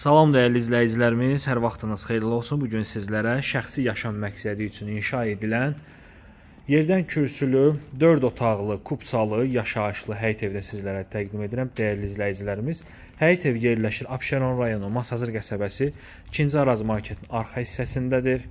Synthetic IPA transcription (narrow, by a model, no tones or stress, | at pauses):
sɑlˠo̞md̪æjæɾliːzlæjid͡ʒilæɾimiz̥hæɾvɑχt̪ʰɯnɯz̥χe̞jlilo̞lˠsunbuɟynsizlæɾæʃæxsijɑʃɑmmæcsæd̪iyt͡ʃʰyninʃɑe̞d̪ilæn | je̞ɾd̪æncʰyɾsylyd̪ø̞ɾd̪o̞t̪ʰɑʁlˠɯkʰupsʰɑlˠɯjɑʃɑɯʃlˠɯɦæjt̪ʰe̞vd̪ænsizlæɾæt̪ʰæɡd̪ime̞d̪iɾæmd̪æjæɾliːzlæjid͡ʒilæɾimiz̥ | hæjt̪ʰe̞vje̞ɾlæʃiɾɑpʃeɾo̞nɾɑjo̞numɑsɑzɯɾɡæsæbæsi | cʰind͡ʒ̪ɑɾɑzmɑcʰet̪ʰinɑɾχɑisːæsind̪æd̪iɾ